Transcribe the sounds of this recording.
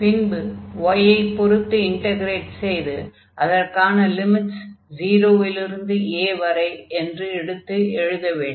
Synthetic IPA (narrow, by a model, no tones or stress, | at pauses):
pɪnbɯʋɔjɐɪpːɔɾɯt̪ːɯɪɳʈɐɣɪɾeːʈsɛjðɯ | ʔɐðɐrkaːnɐlɪmɪʈsd͡ʒiːɾoːʋɪlɪɾɯnd̪ɯeːʋɐɾɐɪɛndrɯɛɽɯt̪ːɯɛɻɯðɐʋeːɳɖ